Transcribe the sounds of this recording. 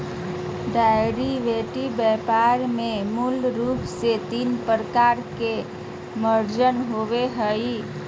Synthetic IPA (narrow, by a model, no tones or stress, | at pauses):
ɖajɾiʋeʈibɛpaɾmemulɾupʰset̪inpəɾəkaɾke | məɾd͡ʒənɦoʋeɦəj